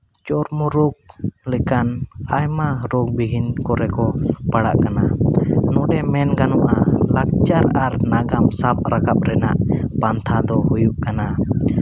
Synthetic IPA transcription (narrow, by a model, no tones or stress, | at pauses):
t͡ʃɔɾmɔɾɔɡ̚lɛkanajmaɾɔɡ̚biɡʱinkɔɾɛkɔpaɽa̰ʔkananɔɖɛmɛnɡanɔʔalak̚t͡ʃaɾaɾnaɡamsap̚ɾakap̚ɾɛnaʔpant̪ʰad̪ɔhujuʔkana